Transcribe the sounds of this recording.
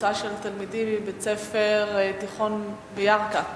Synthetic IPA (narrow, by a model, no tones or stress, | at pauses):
aʃelt̪almid̪imbet͡sefeʁt̪iχo̞n | bejaʁka